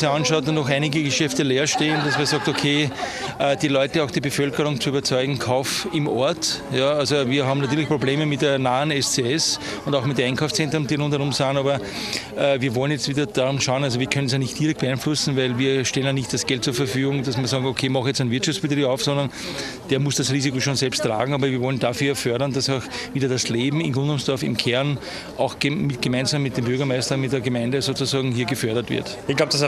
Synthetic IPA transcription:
sɑnʃɑʊtnnɔxæɪnɪɡəɡəʃɛftəleːɐʃteːnd̥asmiɐsɑːk̚tokʰeːʔəd̥iːlɔʏtəaʊxd̥iːbəfœlkəʁʊŋt͡suyːbɐt͡sɔʏɡŋ̩kʰaʊfɪmʔɔɐtjɑalzoviːɐɦɑːbm̩natyːɐlɪçpʁ̥obleːməmɪtdeːɐnaːənɛst͡seːɛs | ʊndaʊxmɪtdæɪnkʰaʊst͡sɛ̃ntʁʊmd̥iːʁʊ̃nthɛʁʊmsaːnɑːbɐ | əviːɐvɔlənjɛt͡stv̥iːdɐd̥aʁʊmʃaʊənalzoviːɐkʰœnəns̬jaːnɪçtd̥iːʁɛkt̚b̥eæɪnflʊsn̩væɪlviːɐʃtɛlənjanɪçt̚d̥asɡ̥ɛlt̚t͡suɐfɛɐfyːɡʊŋd̥asmɐsɑːɡokʰeːmɑxjɛt͡stɛnvɪɐtt͡ʃʃaftt͡sb̥etʁiːbɑʊfsɔ̃ndɐn | d̥eːɐmʊsd̥asʁiːzikoʃoːnsɛlpstːʁa̰ːɡŋ̩ɑːbɐviːɐvɔləndafyːɐjafœɐɾɐndasaʊxviːdɐdasleːbm̩ɪnɡʁʊndʊmsd̥ɔɐfɪ̰mkʰɛɐn | ʔɑʊxɡ̥mɪt̚ɡ̥əmæɪnzamːɪt̚d̥eːmbyɐɡɐmæɪstɐmɪt̚deɐɡəmæɪndəsoːt͡sʊsɑːɡŋ̩ɦiːɐɡəfœɐɾɐtvɪ̰ɐtɪçɡ̥laʊp̚d̥as

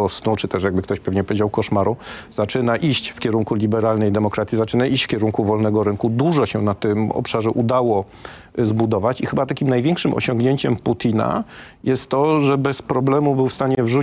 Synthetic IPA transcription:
ɔsnut͡ʂɘt̪ɛʂ̬jaɡ̚bɘkt̪ɔɕpɛvɲɛpɔvjed͡ʑawkɔʂmaɾuz̥at͡ʂɘnaʔiɕt͡ɕfkʲɛɾuŋkulʲibɛɾalnɛjd̪ɛmɔkɾat̪sʲizat͡ʂɘnaʔiɕt͡ɕfkʲɛɾuŋkuvɔlnɛɡɔɾɘŋkud̪uʐɔɕɛnat̪ɘmɔ̰pʂaʐɛʔud̪awɔ | zbud̪ɔvat͡ɕixɘbat̪akʲimnajvʲɛŋkʂɘmʔɔ̰ɕɔ̃ŋɡɲeɲt͡ɕɛmput̪ʲina̰ | jɛst̪ːɔʐɛbɛspɾɔblɛmubɘwfst̪aɲɛvʐu

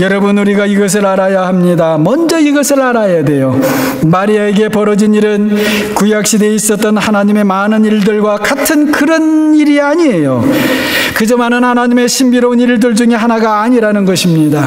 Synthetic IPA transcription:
jʌɾʌbɯnuɾiɡaiɡʌs̬ʰɯɾaɾajahamɲidamʌnd͡ʑʌiɡʌsʰɯɭaɾajadwe̞jo | maɾiaeɡe̞pʌɾʌd͡ʑiniɾɯn | kujak̚ɕ͈ideis͈ʌt͈ːʌnhanaɲime̞manɯniɭdɯɭɡwakatʰɯnkɯɾʌniɾiaɲiejo̰ | kɯd͡ʑʌmanɯnhanaɲime̞ɕʰimbiɾʌuniɭdɯɭd͡ʑuŋe̞ɦanaɡaːɲiɾanɯnɡʌɕʰimɲida

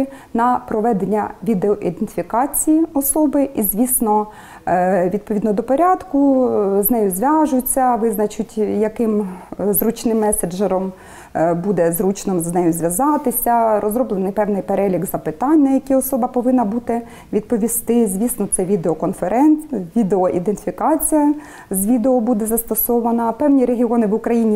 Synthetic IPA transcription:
nɐpɾɔʋɛd̪enʲːɐʋʲid̪eɔʔid̪ent̪ɪ̥fʲikɑt͡sʲijiɔsɔbɪʔizʲʋʲisnɔ | ʋʲid̪̚pɔʋʲid̪nɔd̪ɔpɔɾʲɑd̪kʊznɛjʊzʲʋʲɑʒʊt͡sʲːɐʋɪznɐt͡ʃʊtʲjɐkɪmzɾut͡ʃnɪmːɛsed͡ʒɛɾɔm | bud̪ɛzɾut͡ʃnɔmznɛjʊzʲʋʲɐzɑt̪ɪsʲɐɾʔɔzɾɔblˠenɪjpɛwnɪjpeɾɛlʲiɡzɐpɪt̪ɑnʲːɐjɐkiɔsɔbɐpɔʋɪnːɐbut̪ɪ | ʋʲid̪̚pɔʋʲist̪ɪzʲʋʲisnɔt̪sɛʋʲid̪eɔkɔnfeɾɛnʋʲid̪eɔʔid̪ent̪ɪfʲikɑt͡sʲijɐ | zʲʋʲid̪eɔbud̪ɛzɐst̪ɔsɔʋɐnɐpɛwnʲiɾeɦʲiɔnɪʋʊkɾɐjinʲi

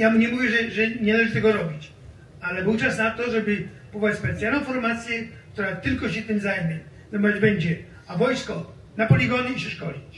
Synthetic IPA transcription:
jamuɲɛmuvʲjɛʐɛʐɛɲɛlɛʐɨt̪ɛɡɔɾɔbʲit͡ɕ | alɛbɘwt͡ʂasnat̪ɔʐɛbɪ | pɔvɔvat͡ɕʲspɛt̪sjalnɔ̃w̃fɔɾmat̪sʲjɛk̚t̪uɾat̪ɪlkɔɕɛt̪ɪmzajmʲjɛ | zɛmɔɛd͡ʑbɛɲd͡ʑɛ | avɔjskɔ | napɔlʲiɡɔnɨipʂɛʂkɔlʲit͡ɕ

